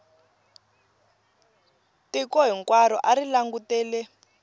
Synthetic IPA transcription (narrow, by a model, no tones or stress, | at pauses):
tikɔɦiŋkwaɾɔʔarilaŋɡutɛːlɛ